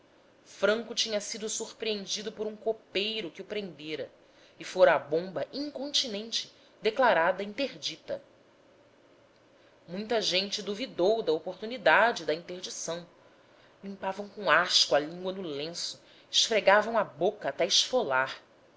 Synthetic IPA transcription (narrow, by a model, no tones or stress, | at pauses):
fɾɐ̃ŋkʊt͡ʃĩɲɐsid̪ʊsuɾpɾiẽnd͡ʒid̪ʊpoɾũkopejɾʊkɪʊpɾẽnd̪eɾɐ | ɪfoɾɐːbõmbɐʔĩŋkõnt͡ʃinẽnt͡ʃɪ̥ | d̪eklaɾad̪ɐĩnt̪eɾd͡ʒit̪ɐ | mũj̃t̪ɐʒẽnt͡ʃɪd̪uvid̪owd̪ɐopoɾt̪unid̪ad͡ʒɪd̪ɐĩnt̪eɾd͡ʒisɐ̃w̃ | lĩmpavɐ̃w̃kõaʃkwɐlĩŋɡwɐnʊlẽsʊ̥ | ɪʃfɾeɡavɐ̃w̃ɐbokɐːt̪ɛɪʃfolaɾ